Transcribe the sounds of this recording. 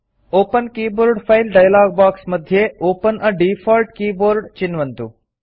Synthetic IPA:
oːpənkiːboːɾɖfʰajlɖaːjlaːɡbaːksmɐd̪ʱjeoːpənəɖiːfʰɔːlʈkiːboːɾɖt͡ʃɪnʋənt̪uː

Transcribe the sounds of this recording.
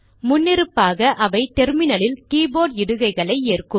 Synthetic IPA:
mʊnːɪɾɯpːaːɣɐʔɐʋɐɪt̪ɛɾmɪnɐɭɪlkiːboːɽɪɽɯɣɐɪɣɐɭɐɪeːrkɯ

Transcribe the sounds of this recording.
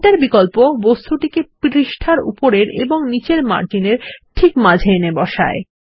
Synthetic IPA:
ʈaɾbikolpobost̪ʰuʈikepɾiʃʈʰaɾṵpoɾeɾeboŋnit͡ɕeɾma̰ɾd͡ʑineɾʈʰikmad͡ʑʱenebɔʃa̰e

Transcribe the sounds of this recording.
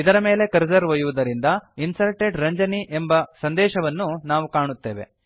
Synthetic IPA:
id̪ɐɾɐme̞ːle̞kɐɾd͡ʒɐɾʋɐjuʋud̪ɐɾind̪ɐinsɐɾʈeɖɾɐɲd͡ʒɐniʔembɐsɐnd̪ɛːʃɐʋɐnːunaːʋukaːɳut̪ːḛːʋe̞̰

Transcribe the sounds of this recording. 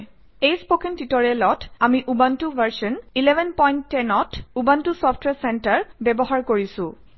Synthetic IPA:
ejspokɛntitɔɹiɛlɔtamiʔubantuvʱaɹsɔnilɛbʱɛnpɔjntːɛnɔtubantusɔfʰtʰwɛsɛntaɹbɛbɔɦaɹkoɹisʊ̃

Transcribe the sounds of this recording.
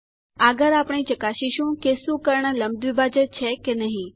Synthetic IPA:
aɡəɾapɳ̃it͡ʃəkaʃiʃũkesũkəɾɳələmd̪ʱʋibʱad͡ʒət͡ʃʰekenəɦĩ

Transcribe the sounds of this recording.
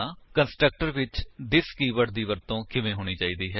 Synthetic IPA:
ãːkənsʈɾək̚ʈəɾʋɪt͡ʃd̪ɪskiːʋəʈd̪iːʋəɾt̪õːkʰɪmẽːɦoːɽ̃iːt͡ʃaːiːd̪iːɦɛː

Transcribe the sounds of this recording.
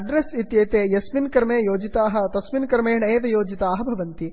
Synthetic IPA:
ɖɾesit̪jɐːt̪eːjɐsʋinkɐɾmeːjoːd͡ʒit̪aːɦɐ̆t̪ɐsʋinkɐɾmeːɳɐːt̪ɐjoːd͡ʒit̪aːɦɐbʱɐʋɐnt̪i

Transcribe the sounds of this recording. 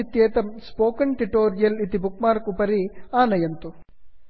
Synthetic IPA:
it̪jeːt̪ɐmspoːkɐɳʈiʈoːɾijɐlit̪ibuk̚maːɾkupɐɾiaːnɐjɐnt̪u

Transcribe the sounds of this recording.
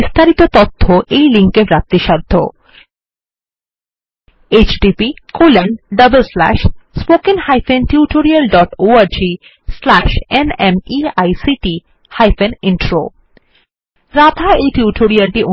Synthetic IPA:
ist̪ʰaɾit̪ot̪ot̪ʰːoʔejliŋkepɾat̪ːiʃad̪ʱːo̰ | et͡ɕɖipikolanɖɖʌbəlslæ̰ʃspokenhajfʰenʈiuʈoɾialɖɔʈoaɾd͡ʑi | slæʃenemiajsiʈi | hajfeniɳʈɾo̰ | ɾad̪ʱaejʈiuʈʰoɾialʈiʔo

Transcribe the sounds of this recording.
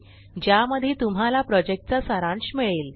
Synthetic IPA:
d͡ʑjaməd̪ʱiːt̪umɦalapɾɔd͡ʑek̚ʈ̚t͡sasaɾãɳɕmiɭiːl

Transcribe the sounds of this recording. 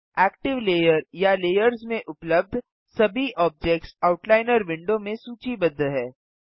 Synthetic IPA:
ɛːk̚ʈɪʋleːjəɾjaleːjəɾzmẽʔʊpləb̚d̪ʱ | sɐbʱiʔɔːb̚d͡ʒek̚ʈsaːʊʈlaːɪnəɾʋɪ̃ɳɖomẽsuːt͡ʃibɐd̪ʱːɦɛː

